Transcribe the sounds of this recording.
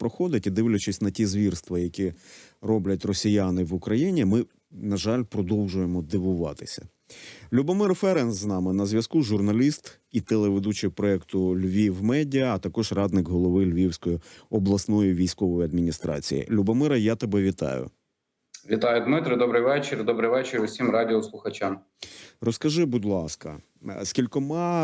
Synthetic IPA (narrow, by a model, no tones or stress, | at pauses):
pɾɔxɔd̪ʲɪtʲid̪ɪwlʲʊt͡ʃɪsʲnɐtʲizʋʲirst̪ʋɐjɐkʲirɔblʲɐtʲrɔsʲijanɪʋʊkɾɐjinʲimɪ | nɐʒɑlʲpɾɔd̪ɔwʒʊjemɔd̪ɪʋʊʋɑt̪ɪ̥sʲɐ̰ | lʲubɔmɪrfɛɾɛnzznɑmɪnɐzʲʋʲjɐskuʒʊrnɐlʲist̪ | it̪elˠeʋed̪ut͡ʃɪpɾɔɛkt̪ʊlʲʋʲiwmɛdʲɐːt̪ɐkɔʒrɑd̪nɪkɦɔlˠɔʋɪlʲʋʲiwsʲkɔjiɔblˠɐsnɔjiʋʲijsʲkɔʋɔjiɐd̪mʲinʲist̪ɾɑ̰t͡sʲḭjḭlʲubɔmɪɾɐjat̪ebɛʋʲit̪ɑ̰jʊ̰ | ʋʲit̪ɑjʊd̪mɪt̪ɾɨd̪ɔbɾɨjʋɛt͡ʃeɾd̪ɔbɾɨjʋɛt͡ʃɪɾʊsʲimɾɑdʲɪɔslˠʊxɐt͡ʃam | rɔskɐʒɪbudʲlˠɑskɐ | skʲilʲkɔmɑ